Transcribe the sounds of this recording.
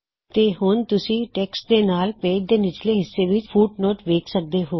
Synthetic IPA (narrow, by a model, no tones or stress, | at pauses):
t̪eːhʊnt̪ʊsĩːʈɛːksʈ̚d̪eːnaːlpeːd̪eːnɪt͡ʃleːɦɪsːeːʋɪt͡ʃpʰuːʈnoːʈʋeːkʰsək̚d̪eːɦoː